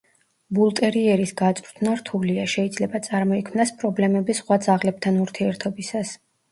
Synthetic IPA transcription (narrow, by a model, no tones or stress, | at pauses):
bulˠt̪ʼɛɾiɛɾisɡat̪sʼɾt̪ʰnaɾt̪ʰuliaʃɛid̪zlɛbat̪sʼaɾmɔikʰmnaspʼɾɔblɛmɛbisχwad̪zaʁlɛp̚t̪ʰanuɾt̪ʰiɛɾt̪ʰɔbisas